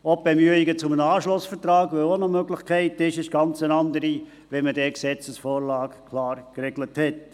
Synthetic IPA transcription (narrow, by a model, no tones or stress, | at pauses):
ɔb̚bemyəiɡət͡sʊmənəɑːʃlʊsfət̪rɑːɡʋøonomøɡlɪχkʰæɪtɪʃɪʃɡ̥ɑnt͡sənɑnd̪əɾi | ʋɛmədɛksɛt͡səsfoːɾlɑːkkʰlɑːɾkrɛɡləthɛt